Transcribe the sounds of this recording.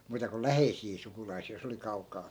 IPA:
muːtɑ ko læheisiː sukulɑisiː jos oli kɑukˑɑː

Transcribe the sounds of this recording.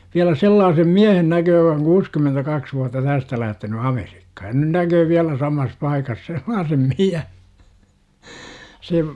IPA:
ʋiælæ selːɑːsem miæhen nækøː jə̆k oŋ kuːskymentækɑks ʋuɑtːɑ tæstæ læhteny ɑmer̥i̥kːɑ̥ jɑ nyn nækøː ʋiælæ sɑmɑs pɑikɑs selːɑːsem miæ se

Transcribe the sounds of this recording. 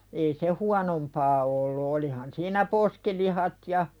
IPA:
ei se huɑnompɑː olːu olihɑn siːnæ poskilihɑt jɑ

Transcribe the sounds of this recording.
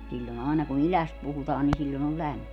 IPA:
silʲːon ɑˑenɑ kun ilæst puhutɑːn ni silʲːon ol læmːi

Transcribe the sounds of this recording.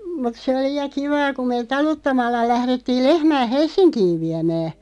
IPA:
mut se oli jɑ kiʋɑː ku meːt̆ tɑlutːɑmɑlːɑ læhretːiːl lehmæː helsˑinkiːʋ ʋiæmæː

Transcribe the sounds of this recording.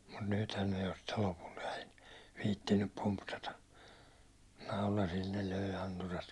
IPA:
mut nythæn ne jo sitːe lopult ɛi ʋiːtːinːyp pumpsɑtɑ nɑulɑsil ne løˑi̞ ɑnturɑt

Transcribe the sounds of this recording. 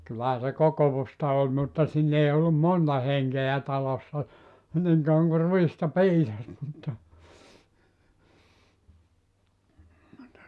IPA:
kylːæhæ se kokoʋustɑ olʲ mutːɑ siːn ei olːum montɑ heŋkeæ tɑlosːɑ niŋ kɑuɑŋ ku ruistɑ piːsɑs mutːɑ mutːɑ

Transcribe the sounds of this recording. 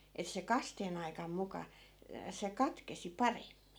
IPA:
et se kɑsteːn ɑikɑm mukɑ se kɑtkesi pɑremːin

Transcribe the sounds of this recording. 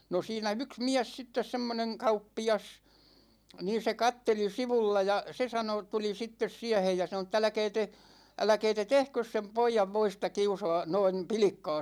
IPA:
no siːnæ yks miæs sitːes semːoneŋ kɑupːiɑs niːn̞ se kɑtːeli siʋulːɑ jɑ se sɑno tuli sitːes siæhej jɑ sɑno tˑ ælæ̆kɛː te ælæ̆kɛː te tehkøs sem poijɑʋ ʋoistɑ kiusoɑ noin̞ pilĭkːɑ̝ː

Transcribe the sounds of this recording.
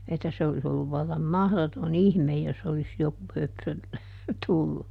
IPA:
etːæ se olis olːuʋ ʋɑlːɑm mɑhðoton ihmej jos olis joku høpsø tulːu

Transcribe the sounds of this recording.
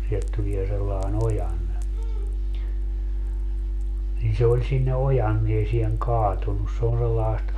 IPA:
sielt tulie selːɑen ojɑnːe nin se olʲ sinːe ojɑnːiesieŋ kɑːtunːus se on selːɑest

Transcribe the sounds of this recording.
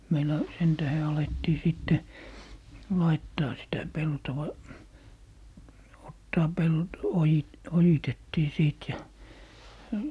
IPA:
meilˑæ sen tæhe ɑletːiː siˑtːe lɑitːɑː sitæ peltoʋɑ otːɑː ojitetːiː siˑt jɑ

